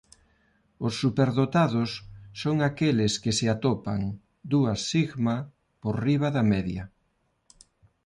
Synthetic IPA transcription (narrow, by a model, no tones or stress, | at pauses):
osːupeɾðot̪aðosːoŋakeleskeseat̪opa̰ŋ | d̪uasiɣma | poɾriβ̞aðamɛðja